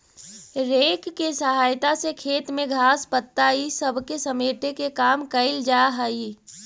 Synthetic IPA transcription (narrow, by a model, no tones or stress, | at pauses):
ɾeːkkːesəɦaːjt̪asekʰeːt̪mẽɡʱaːspət̪ːaisəbʱkesəmeːʈekekaːmkəɪld͡ʒaːɦəi